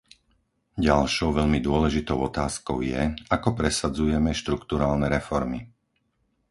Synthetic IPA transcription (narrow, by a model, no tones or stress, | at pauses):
ɟalʃɔʊʋɛʎmid̪ʊɔlɛʒit̪ɔʊɔt̪aːskɔ̰ʊjɛ̰akɔpɾɛsad͡zujɛmɛʃt̪ɾukt̪uɾaːlnɛɾɛfɔɾmi